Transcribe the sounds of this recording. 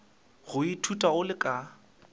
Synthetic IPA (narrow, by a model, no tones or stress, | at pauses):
ɣʊitʰutʼaʊlɪkʼa